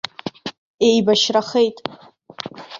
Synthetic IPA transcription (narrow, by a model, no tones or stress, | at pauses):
ejbaʃraχejtʼ